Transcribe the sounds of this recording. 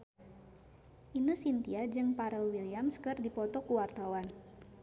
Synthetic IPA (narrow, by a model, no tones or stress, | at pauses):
ʔinəsint̪iad͡ʒɨŋpaɾɛlwiliamskɨrdipɔt̪ɔkuwart̪awan